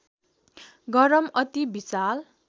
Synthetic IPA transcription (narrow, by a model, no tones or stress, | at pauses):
ɡʌɾʌmʌt̪ibisal